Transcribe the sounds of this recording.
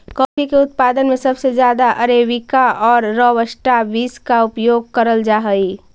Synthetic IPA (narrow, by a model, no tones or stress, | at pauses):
kɔːpʰikeʊt̪̚paːd̪ənmẽsəbsed͡ʒjaːd̪aʔəɾeːʋikaɔːɾːɔʋəsʈabiːskaʊpjoːɡ̚kəɾəld͡ʒaːɦəi